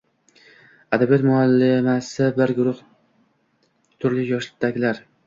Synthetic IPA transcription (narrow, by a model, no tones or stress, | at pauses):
ad̪abijɒt̪mʊalːɪmasɪbɪɾɡʊɾʊh | t̪ʰʊɾlɪjɒʃlɪt̪ːaɡʲɪlaɾ